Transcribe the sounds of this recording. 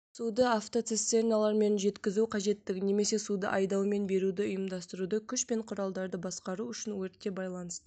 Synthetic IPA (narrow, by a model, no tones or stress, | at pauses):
sud̪əaft̪o̞t̪sest̪ːeɾnjalˠɑɾme̞nʒe̞t̪kʲɪzuqʰɑʒe̞t̪ːɪɡʲɪne̞me̞se̞sud̪ə̰ʔɑjd̪ɑwme̞nbe̞ɾud̪ɪʊjəmd̪ɑst̪əɾud̪əkʲʰʏʃpe̞ɴqʰʊɾɑlˠd̪ɑɾd̪əbɑsqɑɾuʏʃɪnwɵɾt̪ːe̞bɑjlˠɑnəst̪ə